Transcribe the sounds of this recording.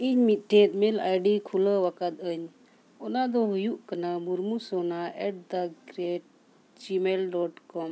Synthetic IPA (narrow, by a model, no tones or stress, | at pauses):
iɲmit̪̚ˀʈʰɛt̪̚ˀmɛla̰jɖikʰuləwakat̪̚əɲ | ɔnad̪ɔɦujuʔkanamuɾmusɔnaʔɛʈ̚d̪aɡɾɛʈ̚ | d͡ʒimɛlɖɔʈkɔm